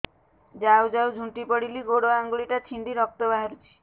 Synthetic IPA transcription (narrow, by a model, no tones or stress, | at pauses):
d͡ʒawd͡ʒawd͡ʒʱũɳʈipɔɽiliɡoɽoaŋɡuɭiʈat̪ʰiɳɖiɾɔk̚t̪ɔbaɦaɾut͡ʃʰi̥